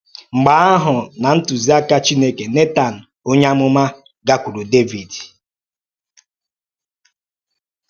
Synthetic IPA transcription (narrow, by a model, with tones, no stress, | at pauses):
ŋ͡m̩˨ɡ͡ba˨˦a˦ɦʊ˨na˨n̩˦tu˨zi˦a˦ka˦t͡ʃi˦ne˦ke˨ne˦ta˨n̩˨ | o˦ɲa˦mʊ˦ma˦ | ɡa˦kʷu˨ɾu˨de˦vi˨d